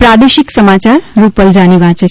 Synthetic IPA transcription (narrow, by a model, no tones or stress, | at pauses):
pɾad̪eʃiksəmat͡ʃaɾɾupəld͡ʒaniʋat͡ʃe